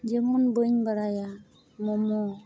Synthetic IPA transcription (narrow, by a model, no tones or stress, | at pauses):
d͡ʒemunboɲbaɾaja | momo